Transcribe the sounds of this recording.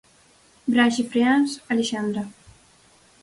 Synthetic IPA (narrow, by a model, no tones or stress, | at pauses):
bɾaʒifɾeanzaliʃand̪ɾa